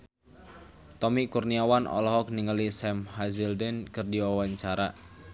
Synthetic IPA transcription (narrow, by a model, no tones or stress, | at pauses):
t̪ɔmikurniawanʔɔ̰lɔɦɔk̚niŋəlisɛmhazildɛnkɨrdiwawaɲt͡ʃaɾa